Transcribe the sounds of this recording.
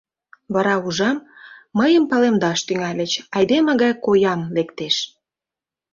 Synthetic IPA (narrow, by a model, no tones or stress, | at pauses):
βɑɾɑuʒɑmːəjəmpɑlemd̪ɑʃt̪yŋɑlʲə̆t͡ɕɑjd̪eməɣɑjkojɑmlekt̪eʃ